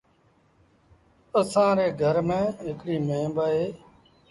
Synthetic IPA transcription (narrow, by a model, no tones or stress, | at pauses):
əsãːɾeːɡʱəɾmẽːɦɪkɽiːmẽːbaːeː